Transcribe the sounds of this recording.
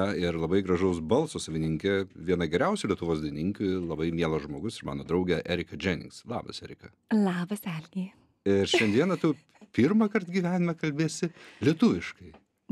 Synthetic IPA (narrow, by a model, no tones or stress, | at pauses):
ɛɪɾlˠɐbɐɪɡɾɐʒɐʊsbɐlˠsoːsɐʋʲɪnʲɪŋʲkʲɛʋʲiɛnɐɡʲɛɾʲɛʊsʲɪlʲiɛt̪ʊʋoːsd̪ʲɪnʲɪŋkʊɪlˠɐbɐɪmʲiɛlˠoːʒmoːɡʊsɪɾmɑ̰ːnoːd̪ɾɐʊɡʲɛʔæːɾʲɪkɐd͡ʒʲɛnʲɪ̰ŋkslˠɑ̰ːbɐ̰sɛːɾʲɪkɐ | lˠɑːbɐsæːlʲnʲijɛ | ɪɾʃʲɛnd̪ʲiɛnɐt̪u | pʲiɾmɐkɐrt̪ɡʲiːʋʲæːnʲɪmɛkɐlʲbʲeːsʲɪlʲiɛt̪ʊʋʲɪʃkɐɪ